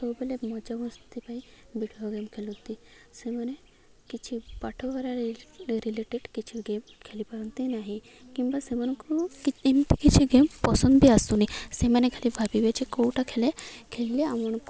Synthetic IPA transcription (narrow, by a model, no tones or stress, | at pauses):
t̪obelemɔd͡ʑaʋəst̪t̪ipai | biɽioɡemkʰelɦot̪ːi | seməne | kit͡ɕʰipaʈʰoʋəɾaɾɾileʈeɽkit͡ɕʰiɡem | kʰelipəɾənt̪inaɦi | kĩw̃ʋasemənkukiimt̪ikit͡ɕʰiɡempəsənd̪b̪ʱiəst̪unisemənekʰeliːbʱabiʋjat͡ɕikowʈʰakʰelekʰelːeaməɳ